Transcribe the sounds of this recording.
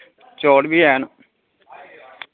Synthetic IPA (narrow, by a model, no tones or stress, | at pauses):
t͡ʃoːɽbiːɛːn